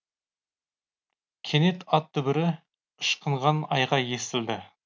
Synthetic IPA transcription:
kʲʰe̞ne̞t̪ɑt̪ʰːɵbɪɾɪ | əʃqəɴʁɑnɑjʁɑje̞st̪ɪld̪ɪ

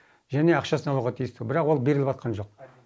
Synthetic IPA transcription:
ʒæne̞ɑqʃɑsənɑlˠuʁɑt̪ʰijɪst̪bɪɾɑqwo̞lˠbe̞ɾɪlɪpɑt̪̚qɑnʒo̞q̚

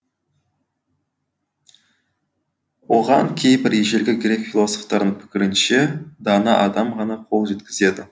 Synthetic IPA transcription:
wo̞ʁɑŋkʲʰe̞jbɪɾjeʒe̞lɡʲɪɡʲɾe̞kfilˠo̞so̞ft̪ɑɾd̪əɴpʰɪ̥kʲɪɾɪnʃe̞d̪ɑnɑʔɑd̪ɑmʁɑnɑqʰo̞lˠʒe̞t̪kʲɪze̞d̪ɪ

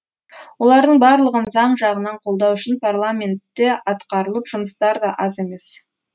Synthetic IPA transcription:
wo̞lˠɑɾd̪əɴbɑɾlˠəʁənzɑɴʒɑʁənɑɴqʰo̞lˠd̪ɑwʏʃɪnpʰarlˠamʲe̞nt̪ːe̞ɑt̪qɑɾəlˠəpʒ̥ʊməst̪ɑɾd̪ɑʔɑze̞me̞s

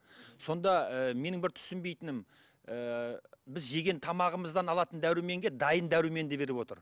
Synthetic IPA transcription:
so̞nd̪ɑəme̞nɪŋbɪɾt̪ʰʏ̥sɪnbe̞jt̪ɪnɪm | əbɪzʒe̞ɡʲe̞nt̪ʰɑmɑʁəməzd̪ɑnɑlˠɑt̪ənd̪æɾɪme̞ŋɡʲe̞d̪ɑjənd̪æɾɪme̞nd̪ebe̞ɾɪpwo̞t̪əɾ

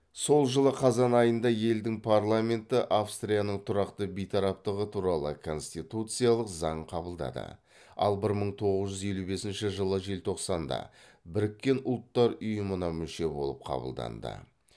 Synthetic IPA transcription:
so̞lˠʒəlˠəqʰɑzɑnɑjənd̪ɑje̞ld̪ɪŋpʰaɾlˠame̞nt̪ɪʔafst̪ɾijanəɴt̪ʰʊɾɑqt̪əbijt̪ʰɑɾɑp̚t̪əʁət̪ʰuɾɑlˠəkʰo̞nst̪it̪ut̪sɨjalˠəqzɑɴqʰɑbəlˠd̪ɑ̰d̪ə̰ | ɑ̰lˠbɪɾməɴt̪ʰo̞ʁəzʒʏze̞lube̞sɪnʃɪʒəlˠəʒe̞lt̪ʰo̞qsɑnd̪ɑ̰bɪɾɪkʲːe̞nʊlˠt̪ːɑɾʊjəmənɑmʏʃe̞bo̞lˠəp̚qʰɑ̰bə̰lˠd̪ɑ̰nd̪ə̰

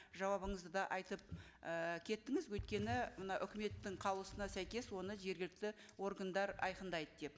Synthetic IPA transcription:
ʒɑwɑβəɴəzd̪əd̪ɑʔɑjt̪əp̚əkʲʰe̞t̪ːɪŋɪzwɵjt̪̚kʲe̞nɪmənɑʔʏkʲɪme̞t̪ːɪɴqʰɑbˠlˠəsənɑsæjkʲe̞swo̞nəʒe̞ɾɡʲɪlɪk̚t̪ɪ | wo̞ɾɡand̪ɑɾɑ̰jqənd̪ɑjd̪əd̪e̞p

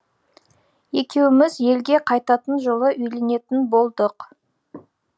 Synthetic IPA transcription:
e̞kʲe̞wɪmɪzje̞lɡʲe̞qʰɑjt̪ɑt̪ənʒolˠəʔʏjle̞ne̞t̪ɪnbo̞lˠd̪əq

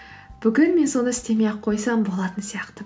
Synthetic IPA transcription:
b̥ʏɡʲɪnme̞nso̞nəɪst̪e̞meqʰo̞jsɑmbo̞lˠɑt̪ənsijɑqt̪ə

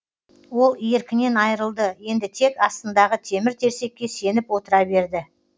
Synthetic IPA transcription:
wo̞lˠjeɾkʲɪne̞nɑjɾəlˠd̪əje̞nd̪ɪt̪ʰe̞kɑst̪ənd̪ɑʁət̪ʰe̞mɪɾt̪ʰe̞ɾse̞kʲːe̞se̞nɪpwo̞t̪əɾɑbe̞ɾd̪ɪ

